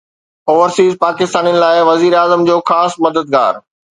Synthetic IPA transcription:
oːʋəɾsiːzpaːkɪst̪aːniənɪ̆laːɪʋɐziːɾaːzəmd͡ʑoːxaːsmɐd̪əd̪̚ɡa̰ːɾ

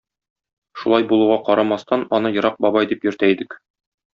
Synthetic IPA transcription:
ʃulˠɑjbulˠuʁɑqɒɾɑmɑst̪ɑnɒnɤjɤ̆ɾɑq̚bɒbɑjd̪ipjɵ̆ɾt̪æid̪ɘk

